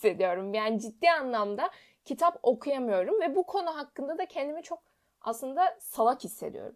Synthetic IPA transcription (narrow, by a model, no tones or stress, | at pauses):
sːe̞d̪ijo̞ɾumjaːnid͡ʒid̪ːiːanlˠamd̪a | cʰit̪ʰapo̞kʰujamɯjo̞ɾumvɛbukʰo̞nuɦakːɯnd̪ad̪acʰɛnd̪imit͡ʃʰo̞k̚ | a̰slˠɯnd̪asalˠakhisːe̞̰d̪ḭjo̞̰ɾum